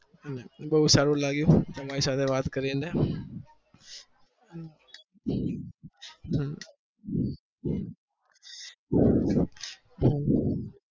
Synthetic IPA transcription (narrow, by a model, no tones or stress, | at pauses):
nebəɦusaːɾũlaːɡjũt̪ːmaːɾisaːt̪ʰeʋaːt̪kəɾẽːne